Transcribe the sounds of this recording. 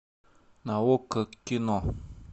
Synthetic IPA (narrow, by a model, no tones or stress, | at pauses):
nawokəkinɔ